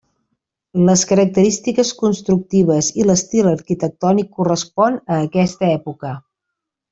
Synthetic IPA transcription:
ləskəɾək̚t̪əɾist̪ikəskunst̪ɾuk̚t̪iβəziləst̪ilˠəɾkit̪ək̚t̪ɔnikːurəspɔnəːkɛst̪əɛpukə

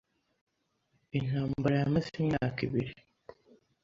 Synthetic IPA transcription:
en̥haːmmbaɾajamasimɲaːkiβiɾi

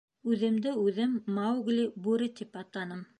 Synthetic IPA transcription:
ʉðɘ̆md̪ɘʉðɘmːawɡlʲibʉɾɘt̪ipɑt̪lˠɑnɤm

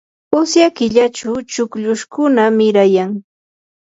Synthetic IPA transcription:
ʊsjakɪʎat͡ʃʊt͡ʃʊkʎʊʃkʊnamɪɾajaŋ

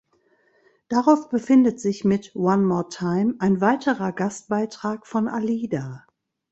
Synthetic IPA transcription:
d̥aʁaʊfb̥əfɪndətz̥ɪçmɪtwanmɔːtʰaɪmaɪnvaɪtʰəʁɐɡast̚b̥aɪtʁ̥aːkfɔnʔaliːdaː

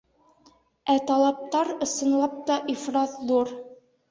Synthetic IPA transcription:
æt̪ɑlˠɑp̚t̪ɑɾɤ̆sɤ̆nlˠɑp̚t̪ɑʔifɾɑθðuɾ

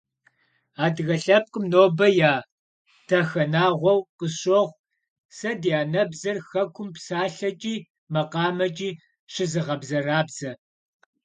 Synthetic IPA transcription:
aːdɣɐɬɐp̚qʼʊmnoːbɐjaː | tʰɐxɐnaːʁʷɔwqəɕoʁʷ | sɐdijaːnɐbzɐrxɐkʷʰʊmpsaːɬɐt͡ʃʼiː | mɐqɑːmɐt͡ʃʼiː | ɕɪzɨʁɐbzɐraːbz̥ɐ

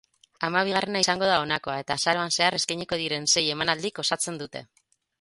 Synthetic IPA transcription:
amaβ̞iɣ̞are̞naisaŋɡo̞ð̞ao̞nako̞ae̞t̪asaɾo̞anse̞are̞skajɲiko̞ðiɾe̞nse̞je̞manald̪iko̞sat͡se̞nd̪ut̪e̞̰

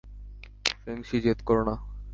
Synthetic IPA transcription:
feŋʃid͡ʑet̪koɾona

